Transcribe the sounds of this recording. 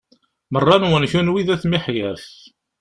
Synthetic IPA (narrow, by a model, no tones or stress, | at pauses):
mərˤːɑnwənçunwiðæθmiħjəɾθ